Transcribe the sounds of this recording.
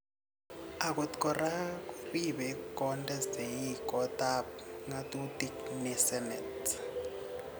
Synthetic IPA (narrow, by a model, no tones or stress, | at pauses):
ak̬ʼutkɔrakufiɓɛkɔntʼɛzejikɔtap̚ŋatʼutiknɛsɛnɛt